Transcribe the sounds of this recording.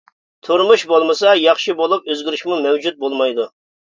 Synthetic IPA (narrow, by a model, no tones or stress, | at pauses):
t̪ʰuɾmuʃbolˠmɨsɑjɑχʃibolˠup̚øzɡʲiɾyʃmumɛwd͡ʒut̪̚bolˠmɑjd̪u